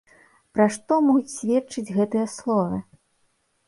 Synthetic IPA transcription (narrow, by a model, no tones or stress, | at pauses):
pɾaʂt̪ɔmɔɣut͡sʲsʲvʲɛt̪t͡ʂɨd͡zʲɣɛt̪ɨjɐslˠɔvɐ